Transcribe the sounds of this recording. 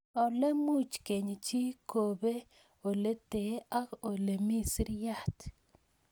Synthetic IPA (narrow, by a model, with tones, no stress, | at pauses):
ɔ˨lɛ˦mu˦˨t͡ʃke˨ɲ˨t͡ʃi˦kʰo˨be˦ | o˨le˦te˨˦a˦o˨le˨mi˦sɾja˦˨t